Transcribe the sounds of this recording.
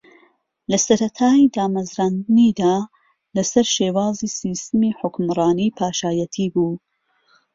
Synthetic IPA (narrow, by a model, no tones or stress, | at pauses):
lɐsɐɾɐt̪ʰaːjid̪aːmɐzɾaːnd̪ɨniːd̪aː | lɐsɐɾʃeːwaːziːsiːst̪ɨmiːħʊkmɾˤɑːniːpʰaːʃaːjɐt̪ʰiːbuː